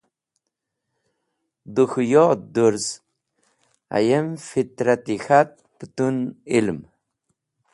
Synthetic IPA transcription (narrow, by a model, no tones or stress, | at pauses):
d̪uxujod̪uɾs | a̰jemfit̪ɾat̪ixat̪̚pət̪unilm